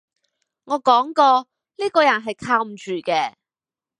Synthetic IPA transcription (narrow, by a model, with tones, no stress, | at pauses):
ŋɔː˨˧kɔː˨˥ŋkɔː˧ | liː˥kɔː˧jɐ˨˩nɦɐ˨jkʰaː˧wm̩˨˩t͡ʃyː˨˩kɛː˧